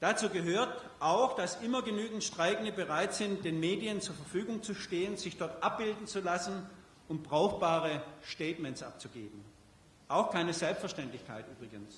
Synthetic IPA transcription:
d̥at͡suːɡəɦøːɐt | ʔaʊxd̥asʔɪmɐɡənyːɡŋ̩tʃtʁ̥aɪɡn̩dəbəʁaɪtz̥ɪnt̚d̥eːnmeːdijənt͡suːɐfɛɐfyːɡʊŋt͡suʃteːənz̥ɪçd̥ɔɐtʔap̚b̥ɪldn̩t͡sulasn̩ | ʊnt̚b̥ʁaʊxb̥aːʁəʃtɛːtmɛnsʔa̰p̚t͡suɡeːbm̩ | ʔaʊxkʰaɪnəzɛlpstfɛɐʃtɛntlɪçkʰa̰ɪtʔyːbʁɪɡəns

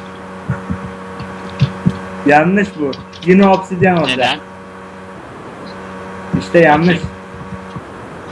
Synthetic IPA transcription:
janːɯʃbʊ | jinɛopsid̪ijɛnold̪a | iʃt̪ɛjanːɯʃ

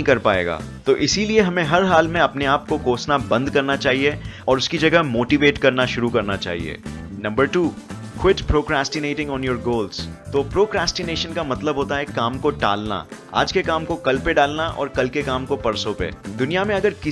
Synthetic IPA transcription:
ĩkɐɾpaːḛːɡa̰ː | t̪oːʔɪsilieɦɐmẽɦɐɾɦaːlmẽɐpneaːp̚kokoːsnabɐ̃nd̪̚kɐɾnat͡ʃaːɦieɔːɾʊskid͡ʒɐɡəɦmoːʈiʋeːʈkɐɾnaʃʊɾukɐɾnat͡ʃa̰ːɦḭḛːnɐ̃mbəɾʈuːkwɪʈpɾoːkɾaːsʈɪneːʈɪ̃ŋɡɔ̃ːnjoːɾɡoːlz̥t̪oːpɾoːkɾaːsʈɪneːʃənkamɐt̪ləbɦoːt̪aɦɛkaːmkoɖa̰ːlna̰ | a̰ːd͡ʒkekaːmkokɐlpeɖaːlnaʔɔ̰ːɾkɐlkekaːmkopɐɾsopḛd̪ʊnijamẽɐɡəɾkɪ

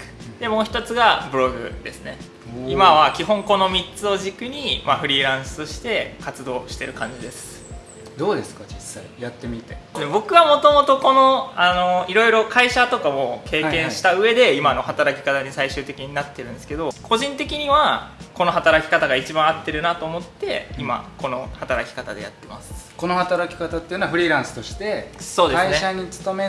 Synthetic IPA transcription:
d̪̥e̞moːçi̥t̪o̞t͡sɨɡabɯ̟ɾo̞ɡɯ̟̰d̪e̞sɨne | imaβakʲiɦõ̞ŋko̞no̞mʲitt͡sɨo̞ʑikɯ̟ɲ̟imaɸɯ̟ɾʲiːɾãɰ̃sɨ̥t̪o̞ɕi̥t̪e̞kat͡sɨd̪o̞ːɕi̥t̪e̞ɾɯ̟kãɲ̟d͡ʑid̪e̞sɨ̥ | d̪oːd̪esɨ̥kad͡ʑisːaijat̪ːemʲit̪nebo̞kɯ̟βamo̞t̪o̞mo̞t̪o̞ko̞no̞ano̞iɾo̞iɾo̞kʰaiɕat̪o̞kamo̞kʰe̞ːkẽɰ̃ɕi̥t̪aɯ̟e̞d̪e̞imano̞hat̪aɾakʲi̥kat̪aɲ̟isaiɕɨ̟ːt̪e̞kʲiɲ̟inat̪ːe̞ɾɯ̟̃nd̪esɨ̥ke̞d̪o̞kʰo̞ʑĩnt̪e̞kʲiɲ̟iβako̞no̞ɦat̪aɾakʲi̥kat̪aɡait͡ɕibãɰ̃at̪ːe̞ɾɯ̟nat̪o̞ːmo̞t̪ːe̞ima̰ko̞no̞hat̪aɾakʲi̥kat̪ad̪e̞ja̰t̪ːe̞masɨ̥ko̞no̞hat̪aɾakʲi̥kat̪at̪ːeiɯnoaɸɯ̟ɾʲiɾãɰ̃sɨ̥t̪o̞ɕi̥t̪e̞so̞ːd̪esaɨinaɲ̟it͡sɨ̥t̪o̞me

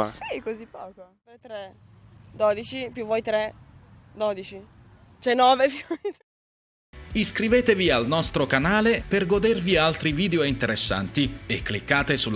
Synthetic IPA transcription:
sikozipːɔ̰ːkop̪ɾɛt̪ɾɛ | d̪oːd̪it͡ʃipjuvɔjt̪ɾɛd̪oːd̪it͡ʃi | t͡ʃɛnɔːvepjvɔjt̪ɾɛ | iskɾiveːt̪evialnɔst̪ɾokanaːleperɡod̪ervialt̪ɾiviːd̪eoint̪eɾesːa̰nt̪iekːlikːaːt̪esul

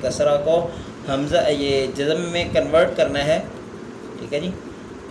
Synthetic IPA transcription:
kɐsɾako | hɐmzajed͡ʒɐzəmːẽkɐnʋəɾʈkɐɾnaɦɛː | ʈʰiːkɛd͡ʒiː

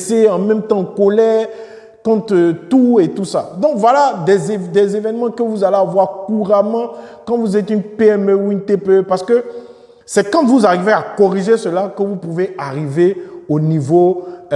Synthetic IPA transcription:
seɑ̃mɛ̃mt̪ɑ̃kolɛ | kɔ̃t̪ət̪uet̪usad̪ɔ̃kvwalad̪ɛzd̪ɛzevɛnmɑ̃kəvuzaleavwaʁkuʁamɑ̃kɑ̃vuzɛt̪ynpeɛmøuynt̪eppaʁsə̥kə | sɛkɑ̃vuzaʁiveakɔʁiʒesəlakəvupuveaʁiveonivo

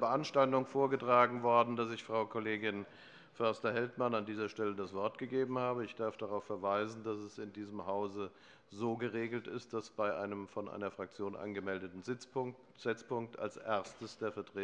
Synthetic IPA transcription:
bəʔanʃtaltʊŋfoːɐɡətʁ̥aːɡŋ̩vɔɐdn̩dasɪçfʁ̥aʊkʰoleːɡɪn | fœɐstɐhɛltmanandiːzɐʃtɛlədasv̥ɔɐtɡ̥əɡeːbm̩haːbəɪçd̥aɐfd̥aʁaʊfɛɐvaɪzn̩dasɛsɪndiːzəmɦaʊzə | zoːɡəʁeːɡl̩tɪst̚d̥asb̥aɪʔa̰ɪnəmfɔnʔa̰ɪnɐfʁ̥ak̚t͡sjoːnʔa̰nɡəmɛldətn̩zɪpʊ | z̥ɪt͡spʊŋk̚tʰa̰lsʔeɐstəsd̥eːɐfɛɐtʁ̥eː

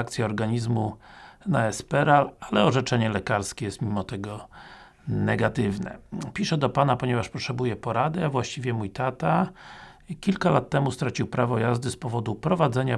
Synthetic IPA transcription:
k̚t̪sʲjɛɔɾɡaɲizmunaɛspɛɾalalɛɔʐɛt͡ʂɛɲɛlɛkaɾskʲɛjɛst̪mʲimɔt̪ɛɡɔ | nɛɡat̪ɘvnɛ̰pʲiʂɛd̪ɔpanapɔɲɛvaʂpɔtʂɛbujɛpɔɾad̪ɛavwaɕt͡ɕivʲjɛmujt̪at̪a | kʲilkalat̪ːɛmust̪ɾat͡ɕiwpɾavɔjazd̪ɘspɔvɔd̪upɾɔvad̪zɛɲa

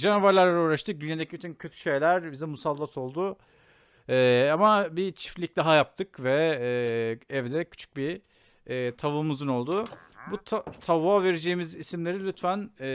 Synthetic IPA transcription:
d͡ʒanovaɾlʲˠaɾlˠaɾuːɾaʃt̪ʰɯk̚d̪ynjad̪ecʰibyt̪ʰyncʰø̞t̪ʰy̥ʃe̞jlʲæɾbizɛmusalˠːat̪ʰo̞lˠd̪ʊ | ɛːamabit͡ʃʰi̥flʲic̚d̪aɦajap̚t̪ʰɯkvɛ | ɛvd̪ɛcʰy̥t͡ʃʰy̥c̚biː | t̪ʰavɯmuzɯno̞lˠd̪ʊbut̪ʰt̪ʰavave̞ɾed͡ʒeːimizisimlʲe̞ɾilʲyt̪fæn

